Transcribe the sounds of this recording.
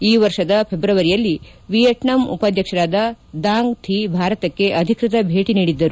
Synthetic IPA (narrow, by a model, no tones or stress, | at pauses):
iːʋɐɾʂɐd̪ɐpʰebɾɐʋɐɾijɐlːi | ʋijɐʈɳɐmṵpad̪ʱjɐkʂɐɾaːd̪ɐd̪aːŋɡt̪ʰibʱaːɾɐt̪ɐkːe̞ʔɐd̪ʱikɾit̪ɐbʱeːʈiniːɽid̪ːɐɾu